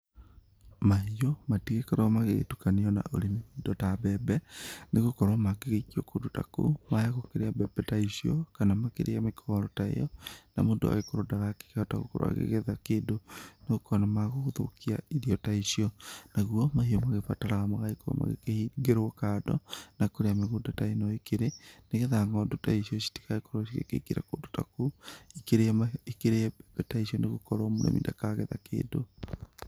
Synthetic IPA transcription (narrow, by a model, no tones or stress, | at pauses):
maɦiɔmatiɣekɛɾamaɣeɣ̰tukaneɔna̰ʔo̰ɾenemodɔtabɛbɛnʔeɣokɔɾwamaɡeɣeɣiɔkodota̰ko̰majaɣokeɾeabɛbɛtaisiɔkanamakeɾʔeamekʰɔɾɔtaḛjɔna̰modo̰a̰ɣekoɾodaɣake̥keɔtaɣo̰ko̰ɾo̰wa̰ɣḛɣeðakeːndoneɣokɔnamaɣooðo̰kiaiðiɔtaisiɔnaɣuɔmaɦiɔmaɣefataɾaɣamaɣaiko̰ma̰ɣḛkeiɡeɾwɔkadɔ̰nakoɾeameɣodataenɔikeɾeneɣɛðaŋɡɔdotaiʃiɔsi̥ti̥kaekoɾɔsiɣḛkḛkiɾa̰koːdo̥takoikeɾemaikeɾeɛbɛtaisiɔneɣokɔɾɔmoɾɛ̰mḭndakaɣɛðakḛːdo